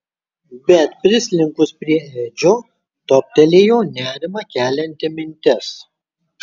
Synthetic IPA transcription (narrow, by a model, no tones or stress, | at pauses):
bʲɛt̪pʲɾʲɪsʲlʲɪŋkʊspʲɾʲiɛɛːd͡ʒʲoː | t̪oːpʲt̪ʲɛlʲeːjoːnʲæːɾʲɪmɐkʲæːlʲɛnʲt̪ʲɪmʲɪnʲt̪ʲɛs